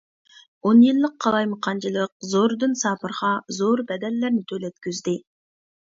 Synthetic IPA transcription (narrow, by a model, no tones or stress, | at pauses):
onjɪlˠːəqʰːɑlˠɑjməqɑnd͡ʒəlˠəq̚zoɾd̪ɯnsɑpɯɾʁɑzoɾbæd̪ælːæɾnt̪ʰølet̪kʲyzd̪ɪ